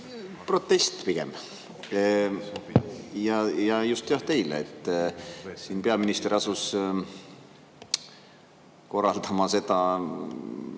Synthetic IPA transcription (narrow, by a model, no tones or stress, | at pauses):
pro̞t̪ːˑe̞st̪piɡ̥e̞̰m | jɑjɑjust̪jɑht̪e̞jlḛḛt̪ːˑ | siːnpe̞ɑminist̪eɑsus | ko̞rːɑld̪ɑmɑse̞d̪̥ɑ